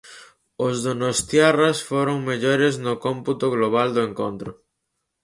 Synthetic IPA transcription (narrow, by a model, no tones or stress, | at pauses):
ozðonost̪jarasfoɾoŋmeʎoɾɪznʊkomput̪ʊɣloβ̞ald̪ʊeŋkont̪ɾʊ